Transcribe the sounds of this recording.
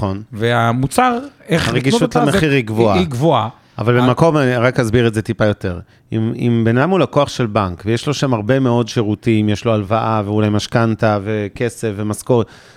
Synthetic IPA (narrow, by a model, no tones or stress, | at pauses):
χo̞nveamut͡saʁeaʁeɡiʃʃutlameχiʁiɡvoaiɡvoa | avalbemako̞maʁakhazbiʁetzet̪ipajo̞te̞ʁ | imḭmbenadamulakoaχʃe̞lbaŋkvejeʃlo̞ʃamaʁbe̞meo̞dʃe̞ʁutimjeʃloalvaʔaveulajmaʃkantaveke̞sefvemaskot